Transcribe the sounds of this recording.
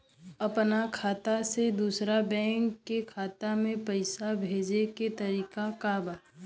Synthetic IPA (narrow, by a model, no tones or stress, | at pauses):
ɐpnakʰaːt̪ased̪uːsɾabɛ̃ːŋkːekʰaːt̪amẽpəɪsabʱeːd͡ʒeket̪ɐɾiːkakabaː